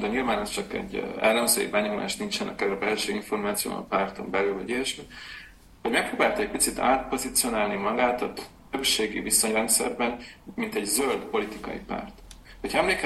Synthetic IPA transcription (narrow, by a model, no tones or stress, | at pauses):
d̪ɒɲilvaːnɛst͡ʃɒkɛ̰ɟːɛlːɛɱzø̰ːjḭbɛɲo̞ma̰ːʃt̪nint͡ʃɛnʔɒ̰kɛɾɛbɛlʃøːiɱfo̞rmaːt̪sijo̰ːmɒ̰paːrt̪o̞mbɛlylvɒɟijɛʃmi | ho̞ɟmɛkproːbaːlt̪ɒɛc̚ʲpit̪sit̪a̰ːt̪̚po̞zit̪sio̞naːlnimɒɡaːt̪ɒt̪ | øpʃeːɡḭviso̞ɲrɛnt̪sɛ̰rbɛnmint̪ɛɟzøld̪po̞lit̪ikɒ̰jḭpa̰ːrt̪hocʰɒɛmleːk